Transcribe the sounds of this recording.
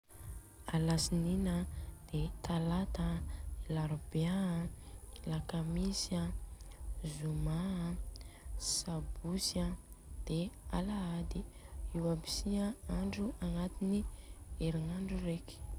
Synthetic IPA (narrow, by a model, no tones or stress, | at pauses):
alasininəd̪̥et̪alat̪əilaɾuba | ilakamisia | zuma | sabusad̪̥ea̰laad̪iiwabi̥siəaɳɖ͡ʐuanat̪inieɾiŋaɳɖ͡ʐuɾeki̥